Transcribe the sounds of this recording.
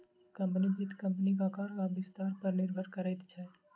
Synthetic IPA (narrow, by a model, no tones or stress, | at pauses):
kɐ̃mpnibʱɪt̪kɐ̃mpnikakaːɾaʋɪst̪aːɾpɐɾnɪɾbʱəɾkəɾɛt̪t͡ʃʰɛ